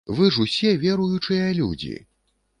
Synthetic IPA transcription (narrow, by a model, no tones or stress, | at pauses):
vɨʐusʲɛvʲɛɾujut͡ʂɨjɐlʲṵd͡zʲḭ